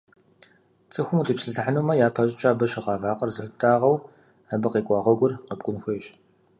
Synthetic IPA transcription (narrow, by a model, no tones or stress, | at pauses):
t͡sʼɨxʷʊmutʰiːpsɨɮaħanuːmɐjaːpʰɐɕʼɪt͡ʃʼaːbɐɕɪqɑːvaːqɐrzɨxtʰʼaːʁɐw | ɐbɐqeːkʷʼɑːʁɐɡʷʊrqəb̚ɡʷʼʊnxʷejɕ